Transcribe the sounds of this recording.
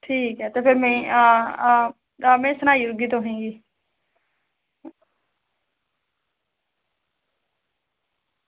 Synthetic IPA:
ʈʰiːkɦɛːt̪epʰɪɾmẽː | mɛ̃ːsənaːiɾɡiːt̪õɦʊɦẽːɡiː

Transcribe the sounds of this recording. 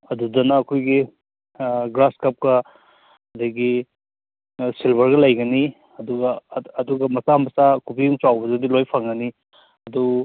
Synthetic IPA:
ɐdudɐnɐːkʰojɡi | ɡɾaskɐp̚kɐ | ɐdɐɡi | silbɐɾɡɐlɐjɡɐni | ɐduɡɐːduɡɐmɐsamɐsakubijuŋt͡ʃawbɐzɐdilojpʰaŋɡɐni | ɐdu

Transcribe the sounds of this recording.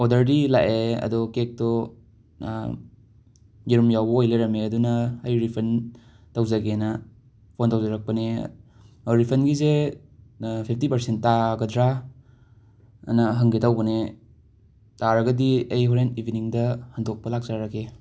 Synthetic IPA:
odɐɾdila̰ʔeɐ̰dɔkek̚tɔ | jiɾumjawbɐojleɾɐmeɐdunɐːjɾipʰɐn | tɐwzɐɡenɐ | pʰontɐwzɐɾɐk̚pɐne | ɾipʰɐnɡize | pʰip̚ʰtipɐɾsent̚taɡɐdɾa | nɐɦɐŋɡetawbɐne | taɾɐɡɐdiɐjɦuɾenibiniŋdɐhɐndok̚pɐlak̚zaɾɐke

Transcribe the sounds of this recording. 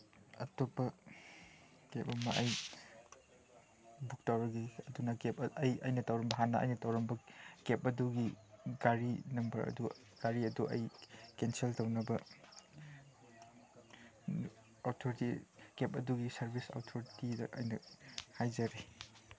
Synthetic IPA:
ɐ̰topːɐ | kep̚ɐmɐʔɐj | buk̚tawɾɐɡiɐdunakepɐjɐ̰jnɐtɐwɾɐmbɐɦanːɐʔɐ̰jnɐtɐwɾɐmbɐkepɐduɡiɡaɾinɐmbɐɾɐ̰du | ɡ̥aɾiɐduʔɐ̰jkenseltɐwnɐbɐ | awtʰoɾitikep̚ʼɐduɡisɐɾbisa̰wtʰoɾitidɐ̰ʔɐ̰jnɐhajzɐɾi

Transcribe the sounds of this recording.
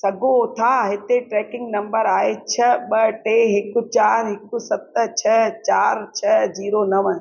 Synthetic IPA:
sɐɡʱot̪ʰaɦɪt̪eʈɾɛːkɪ̃ŋɡnɐ̃mbəɾaːɦet͡ɕʰɐɓɐʈeɦɪkʊt͡ɕaːɾɦɪkʊsɐt̪t͡ɕʰɐt͡ɕaːɾt͡ɕʰɐziːɾonɐʋə

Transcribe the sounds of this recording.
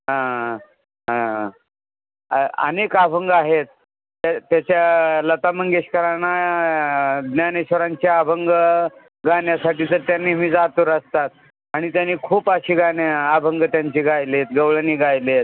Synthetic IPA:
ɦã | ɦã | ə̰nekabʱəŋɡaɦet̪̚ː | at̪jat͡ɕjalət̪aməŋɡeɕkəɾana | ɡnjaneɕʋəɾaɲt͡ɕaabʱəŋɡə | ɡanjasaʈiːd͡z̪əɾt̪janːiːmiːd͡zat̪uɾəst̪at̪̚ | aɽ̃it̪janːiːkʰuːpaɕiːɡanjaːbʱəŋɡət̪jaɲt͡ɕiːɡʱajlet̪ɡəwɭəniːɡʱajlet̪̚

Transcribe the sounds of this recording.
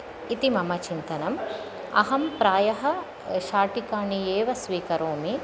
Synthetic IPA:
it̪imɐmɐt͡ʃint̪ɐnɐm | ɐ̰ɦɐmpɾaːjɐɦɐ̆ | ʃaːʈikaːɳieːʋɐsʋiːkɐɾoːmi

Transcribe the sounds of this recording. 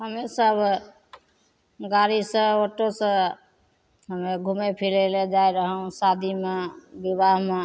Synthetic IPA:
ɦəmesəbʱ | ɡaɾisə̃oʈːosə̃ | ɦəmeɡʱumepʰileled͡ʒaeɾəɦũsad̪ʱimebibaɦme

